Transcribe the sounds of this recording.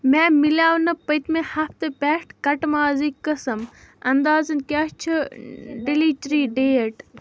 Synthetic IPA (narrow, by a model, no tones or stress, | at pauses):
mɛ̃ːmilʲaːwnɐpət̪mẽhɐft̪ɨpɛːʈkɐʈmaːzikːɐsɐmɐnd̪aːzɐnkʲaːt͡ʃʰuɖiliːt͡ʃɾiːɖeːʈ